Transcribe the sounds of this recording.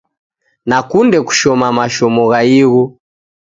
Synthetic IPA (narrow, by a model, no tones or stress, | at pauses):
nakundɛku̥ʃɔmamaʃɔmɔɣaiɣɔ